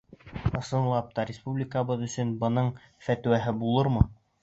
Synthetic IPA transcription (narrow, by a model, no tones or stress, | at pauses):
ɤ̆sɤ̆nlˠɑp̚t̪ɑɾʲɪspublʲɪkəβɤðɵ̆sɵnbɤ̆nɤɴ | fæt̪wæɦɘbulˠɤɾmɤ